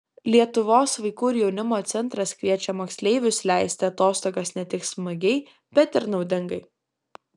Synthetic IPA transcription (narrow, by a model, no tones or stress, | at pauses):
lʲiɛt̪ʊʋoːsʋɐɪkuːɪɾjɛʊnʲɪmoːt̪sʲɛnt̪ɾɐskɾʲiɛt͡ʃʲɛmoːksʲlʲɛɪʋʲʊslʲæˑɪsʲt̪ʲɪɐt̪oːst̪oːɡɐsnʲɛt̪ʲɪksmɐɡʲɛɪ | b̥ʲɛt̪ɪɾnɒʊd̪ʲɪŋɡɐɪ